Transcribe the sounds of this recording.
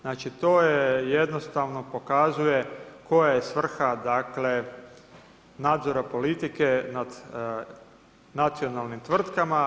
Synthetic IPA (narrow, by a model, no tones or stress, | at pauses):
naːt͡ʃit̪oːejed̪no̞st̪aʋno̞po̞kazuje̞ko̞jajesʋr̩xad̪akle̞ | naːd̪zo̞ɾapo̞lit̪ike̞nad̪ | nat̪sio̞nalˠnimt̪ʋr̩t̪kama